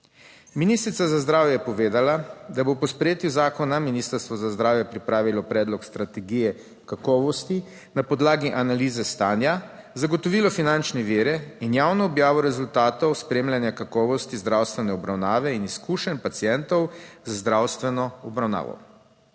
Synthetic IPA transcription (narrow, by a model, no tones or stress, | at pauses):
miniːst̪ɾit̪sazazd̪ɾaːwjɛjɛpɔʋeːd̪alad̪abopɔspɾjeːt̪juzaːkɔnaminiːst̪əɾst̪ʋɔzazd̪ɾaːwjɛpɾipɾaːʋilɔpɾɛːd̪lɔkst̪ɾat̪ɛɡijɛ | kakɔːʋɔst̪i | napɔd̪laːɡiʔanaliːzɛst̪aːnja | zaɡɔt̪ɔʋiːlɔfinant͡ʃnɛʋiːɾɛinjawnɔːbjaːʋɔɾɛzult̪aːt̪ɔwspɾeːmljanjakakɔːʋɔst̪izd̪ɾawst̪ʋɛnɛɔbɾawnaːʋɛiniskuːʃɛnʲpat̪sijɛnt̪ɔwzazd̪ɾawst̪ʋɛnɔɔbɾawna̰ːʋɔ̰